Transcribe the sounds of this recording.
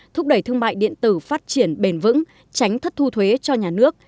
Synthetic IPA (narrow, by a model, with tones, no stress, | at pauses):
t̪ʰʊ˦˥k͡p̚ɗə˧˩jt̪ʰɨ˧əŋma̰ː˧˨jɗḭ˧˨ənt̪ɨ˧˩faː˦˥t̚t͡ɕi˧˩ənɓe˨˩nvɨ̰˧˥ŋ | t͡ɕa˨˦jŋ̟t̪ʰə˦˥t̚t̪ʰu˧t̪ʰwe˨˦t͡ɕɔ˧ɲaː˨˩nɨ˦˥ək̚